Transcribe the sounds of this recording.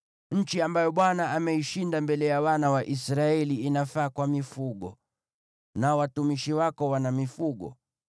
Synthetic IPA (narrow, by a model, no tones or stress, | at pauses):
ɲ̩t͡ʃiambajɔɓwanaːmɛiʃindambɛlɛjawanawaʔisɾaɛliːnafaːkwamifuɡɔ̰ | nawatumiʃiwakɔwanamifuɡɔ̰